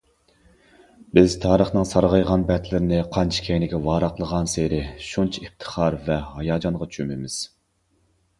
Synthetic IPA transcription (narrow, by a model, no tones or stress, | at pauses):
bɪzt̪ʰɑːɾəχnɨŋsɑɾʁɑjʁɑnbɛt̪lɪɾɪnɪqʰɑnt͡ʃʰi̥kʲʰɛjnɪkʲɛvɑːɾɑqlˠəʁɑnseɾɪʃunt͡ʃʰiipt̪ʰə̥χɑɾvɛhɑjɑːd͡ʒɑnʁɑt͡ʃʰymɪmɪz̥